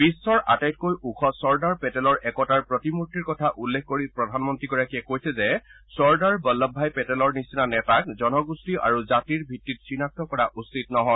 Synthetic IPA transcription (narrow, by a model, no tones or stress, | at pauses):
b̥isːɔɹʔa̰tajt̚kojʔukʰɔsɔɹdaɹpɛtɛlɔɹʔɛkɔtaɹpɹɔtimuɹtiɹkɔtʰaʔulːekʰkoɹipɹɔdʱanmɔntɹiɡɔɹakiɛkojsɛzɛ | sɔɹdaɹbɔlːɔbʱːajpɛtɛlɔɹnisinanɛtak̚zɔnɔɡustiʔa̰ɹuzatiɹbʱitːit̚sɹinak̚tɔkɔɹaʔustitnɔɦɔ̃